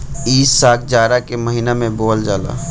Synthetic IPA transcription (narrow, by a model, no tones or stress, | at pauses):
iːssaːk̚d͡ʒaːɾakeməɦinamẽboːld͡ʒaːla̰ː